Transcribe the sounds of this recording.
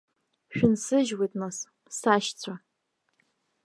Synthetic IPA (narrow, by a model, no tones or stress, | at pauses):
ʃᶣʊnsɨʒwitʼnas | saʃt͡sʷʰa